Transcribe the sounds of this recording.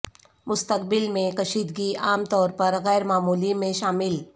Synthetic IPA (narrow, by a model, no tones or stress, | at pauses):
mʊst̪əkbɪlmẽkɐʃiːd̪ɡiaːmt̪ɔːɾpɐɾɣɛːɾmaːmuːlimẽʃaːmɪl